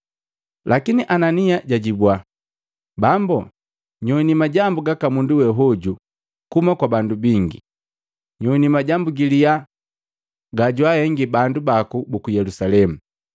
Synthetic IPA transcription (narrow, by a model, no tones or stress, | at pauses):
lʔakiniʔananiaɟaɟibwa | bambɔ | ɲɔnimaɟambuɡakamunduwɛɦɔɟu | kumakwabandubiŋɡi | ɲɔinimaɟambuɡilia | ɡaɟwahɛŋɡibandubakubukujɛlusalɛmu